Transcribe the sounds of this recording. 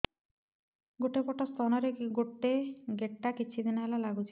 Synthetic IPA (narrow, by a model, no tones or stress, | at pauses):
ɡoʈepɔʈɔst̪ʰanɔɾeɡoʈːeɡeʈːakit͡ʃʰid̪inɔɦelalaɡut͡ʃʰi